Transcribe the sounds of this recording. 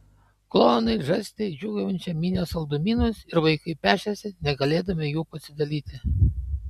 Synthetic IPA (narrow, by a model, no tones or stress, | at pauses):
klˠoːnɐɪʒɐsʲt̪ʲɛɪd͡ʒʲuɡɐʋʊnʲt͡ʃʲɛmʲiːnʲeːsɐlˠd̪ʊmʲiːnoːsɪɾʋɐɪkɐɪpʲæːʃʲɛsʲɪnʲɛɡɐlʲeːd̪ɐmʲejuːpɐsʲɪd̪ɐlʲiːt̪ʲɪ